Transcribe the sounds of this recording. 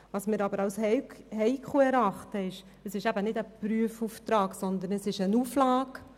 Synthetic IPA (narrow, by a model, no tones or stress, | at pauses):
ʋɑːsmɪːɾɑbəɾɑwshɛhɛɪkχuəɛɾɑχt̪əɪʃ | əsɪʃæbənɪdəpɾyəfuːft̪ɾɑːksɔnd̪ənəsɪʃənuflɑːk